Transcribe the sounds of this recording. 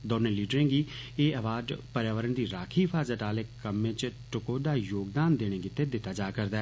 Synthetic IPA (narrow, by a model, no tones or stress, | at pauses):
d̪ɔːnẽːliːɖɾẽːɡiːeːəʋaːɖpəɾjaːʋəɾənd̪iːɾaːkʰiːpʰaːzaːʈaːleːkːəmːẽt͡ʃʈʊkoːd̪aːjoːɡd̪aːnd̪eːɽ̃ẽːɡɪt̪ːeːd̪ɪt̪ːaːd͡ʒaːkəɾd̪aɛ